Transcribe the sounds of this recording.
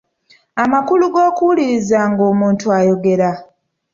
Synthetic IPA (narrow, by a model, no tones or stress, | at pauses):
amakuluɡo̞ːkuuliɾizaːŋɡo̞ːmuːntuajo̞ɡe̞ɾa